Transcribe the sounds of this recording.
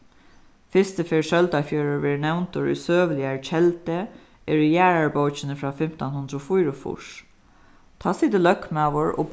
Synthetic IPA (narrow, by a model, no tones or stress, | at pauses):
fɪst̪əfeːɹʃœlt̪afjøːɹəɹʋeːɹnɛwnt̪ʊɹṵjsøːʋlɪaɹt͡ʃʰɛlt̪ə | ɛɹʏjæːɹaɹboːt͡ʃɪnəfɹaːfɪm̥t̪anhʊnd̪ɾɔːfujɾʊfʊ̰ʂ | t̪ʰɑːsiːt̪ɪlœkmaːʋʊɹo̰b